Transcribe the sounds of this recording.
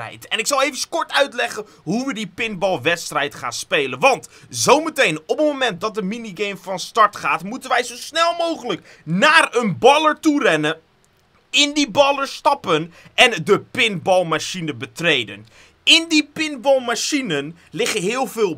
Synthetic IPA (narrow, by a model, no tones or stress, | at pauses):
ɛ̰jtɛnɪksɑlˠejvənskɔɹtœɥtlɛχən | ɦuʋədipɪnbɑlˠʋɛtstrɛjtχa̰ːnspejlənʋɑntzowmətejnɔpənmomɛnt̚dɑt̚dəminiɡejmfɑnstɑɹtχaːtmutənʋɛjzowsnɛlˠmowχələk | naːrənbɑləɹturɛnə | ɪndibɑləɹstɑpənʔɛndəpɪnbɑlˠmaʃinəbətrejdə̰n | ɪndipɪnbɔlˠmaʃinən | lɪχənɦɪːəlˠvɪːlˠ